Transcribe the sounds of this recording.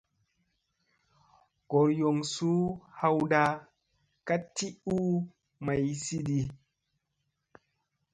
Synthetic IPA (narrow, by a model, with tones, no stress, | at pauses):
ɡ̥o˨ɾjo˨ŋsu˦ha˦wda˨ | ka˦tːi˦u˦ | ma˨jsi˦di˨